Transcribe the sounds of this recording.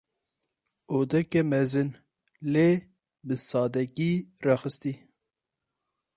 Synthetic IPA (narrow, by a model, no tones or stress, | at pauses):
oːd̪ɛkɛmɛzɨn | le | bɨsɑːd̪ɛkirɑxɨst̪i